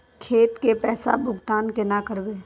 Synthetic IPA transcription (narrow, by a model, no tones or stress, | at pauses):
kʰeːt̪kepɛːsa̰bʱʊɡt̪aːnkenakəɾbeː